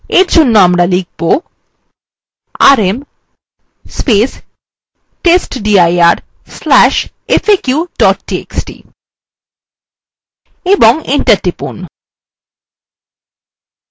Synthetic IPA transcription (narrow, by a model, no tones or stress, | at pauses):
eɾd͡ʑʱonːoamɾalik̚ʰbo | a̰ɾem | spes | ʈesʈɖiajaɾ | slɛʃ | efekjuɖɔʈʈiḛksʈḭ | eboŋiɳʈaɾʈipṵn